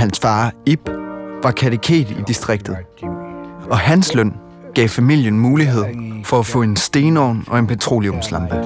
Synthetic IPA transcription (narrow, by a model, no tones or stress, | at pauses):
ænsfɑ̈ːib̥ʋɑ̈kʰæt͡sʰəkʰe̝̰ːdˠid̥isd̥ʁeɡ̥̚d̥ð̞̩ˠ | ɒ̽hænslœn̰ | ɡ̥ɛ̰ːʊfæmil̰jənmuːliɦe̝ð̰ˠfɒ̽æfɔ̰̽ːe̝nsd̥e̝ːnɒʊ̰nɒ̽e̝npʰæt͡sʰʁo̝̰ːliɔ̽mslɑ̈mb̥ə